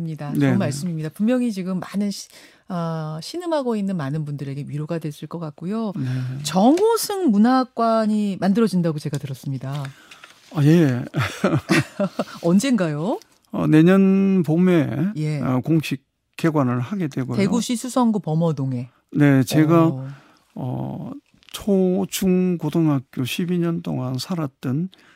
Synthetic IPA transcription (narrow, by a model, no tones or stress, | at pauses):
mɲidat͡ɕnomaɭs͈ɯmimɲidapummjʌŋit͡ɕiɡɯmːanɯn | ʌɕʰinɯmɦaɡoinːɯnmanɯnbundɯɾe̞ɡe̞wɥiɾoɡadwe̞s͈ɯɭk͈ʌk͈ak̚k͈ujot͡ɕʌŋɡosʰɯŋmunak͈waɲimandɯɾʌd͡ʑindaɡot͡ɕe̞ɡatɯɾʌs͈ɯmɲida | aje̞ | ʌnd͡ʑe̞nɡajo | ʌ̰ne̞ɲʌnpomeje̞koŋɕʰik͈ː | e̞ɡwanɯɭhaɡe̞dwe̞ɡoe̞ɡuɕʰisʰusʰʌŋɡopʌmʌdoŋe̞ | ne̞t͡ɕe̞ɡa | ʌ̰ | t͡ɕʰot͡ɕuŋkotʰoŋɦak̚k͈joɕʰibiɲʌnt͈o̰ŋansʰaɾat̚t͈ɯn